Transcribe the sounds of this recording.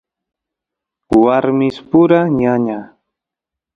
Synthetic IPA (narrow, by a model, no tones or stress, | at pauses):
waɾmɪspʊɾaɲaɲa